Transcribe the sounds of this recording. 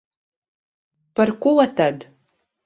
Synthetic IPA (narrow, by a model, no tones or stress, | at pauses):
parkʷʊwatʰad